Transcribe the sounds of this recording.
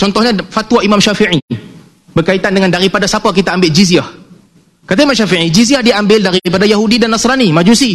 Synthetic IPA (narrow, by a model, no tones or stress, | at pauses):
t͡ʃɔnt̪ɔhɲãfat̪waimãmʃafiʕi | bərkait̪andəŋandaɾipadasapakit̪aːmbɪld͡ʒiziah | kat̪aimãmʃafiʕid͡ʒiziahdiambɪldaɾipadajaɦudidanːasɾanimad͡ʒusi